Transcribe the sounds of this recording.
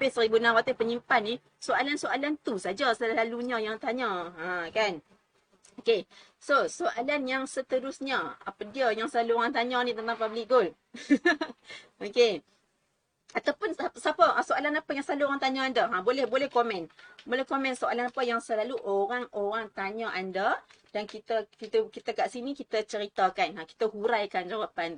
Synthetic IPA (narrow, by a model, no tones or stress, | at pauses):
basəɾibunawat̪əpəɲimpanːi | soalansoʔalant̪usad͡ʒasəlaluɲajaŋt̪aɲaãkan | oke | sosoʔalanjaŋsət̪əɾʊsɲaapadiəjaŋsəlaluoɾaŋt̪aɲanit̪ənt̪aŋpablɪk̚ɡol | oke | at̪awpʊnssapəʔasoalanapəjaŋsəlaluoɾaŋt̪aɲaandaɦabolɛhbolɛhkomɛ̃nbolɛhkomɛ̃nsoalanapəjaŋsəlaluʔoɾaŋoɾaŋt̪aɲaʔanda | dankit̪əkit̪əkit̪əkaʔsinikit̪ət͡ʃəɾit̪akanãki̥t̪əhuɾajkand͡ʒawapan